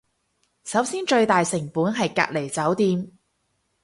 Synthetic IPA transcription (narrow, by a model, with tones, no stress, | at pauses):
sɐ˨˥wsiː˥nt͡ʃɵ˧ɥt̪aː˨jsɪ˨˩ŋpuː˨˥nɦɐ˨jka̰ː˧k̚le˨˩jt͡sɐ˨˥wt̪iː˧m